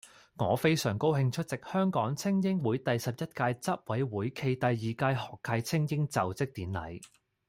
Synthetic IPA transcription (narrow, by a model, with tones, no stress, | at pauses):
ŋɔ̰ː˨˧fe˥jsœː˨˩ŋko˥whɪ˧ŋt͡ʃʰɵ˥t̚t͡sɪ˨k̚hœː˥ŋkɔː˨˥ŋt͡sʰɪ˥ŋjɪ˥ŋwuː˨˥jt̪ɐ˨jsɐ˨p̚jɐ˥t̚kaː˧jt͡sɐ˥p̚wɐ˨˥jwuː˨˥jkʰe˧jt̪ɐ˨jːiː˨kaː˧jhɔː˨˩kʰːɐ˧jt͡sʰɪ˥ŋjɪ˥ŋt͡sɐ˨wt͡sɪ˥k̚t̪iː˨˥nlɐ̰˨˥j